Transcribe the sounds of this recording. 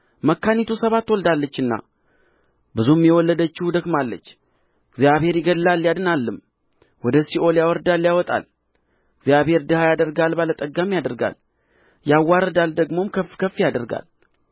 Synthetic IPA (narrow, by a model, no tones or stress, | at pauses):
məkːanit̪ʰusəβat̪ːwɔld̪alːət͡ʃːɨnːa̰ | bɨzumjɛwɔlːəd̪ət͡ʃːɪhud̪əkmalːə̰t͡ʃː | ɡzjaβhe̞ɾjɪɡəlːalːjad̪ɨnalːɨm | wɔd̪əsiʔo̞ljawɔɾd̪alːjawɔt̪ʼa̰l | ɡzjaβhe̞ɾd̪əhajad̪əɾɡalbalət̪ʼəɡamjad̪əɾɡa̰l | jawːaɾəd̪ald̪əɡmo̞mkʰəfkʰəfːijad̪əɾɡa̰l